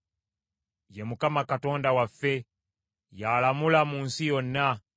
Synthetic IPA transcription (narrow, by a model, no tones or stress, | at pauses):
jɛmukamakatɔndawafɛ | jalamulamunsijɔnːa